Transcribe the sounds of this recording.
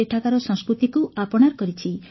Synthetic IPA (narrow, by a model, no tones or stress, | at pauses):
eʈʰakaɾɔsɔ̃ŋskɾut̪ikuapɔɽ̃aɾkɔɾit͡ʃʰi